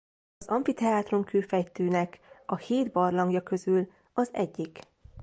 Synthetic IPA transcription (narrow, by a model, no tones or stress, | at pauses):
ɒzɒɱfit̪ɛaːt̪ro̞mkøːfɛjt̪øːnɛkɒheːd̪bɒrlɒŋɡjɒkø̞zyl | ɒzɛ̰ɟːik